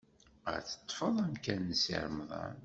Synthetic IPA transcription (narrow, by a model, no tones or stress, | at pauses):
ə̰ɾθə̥t̪ˤːfəðˤæmkænːəsḭɾˤmðˤɑ̰n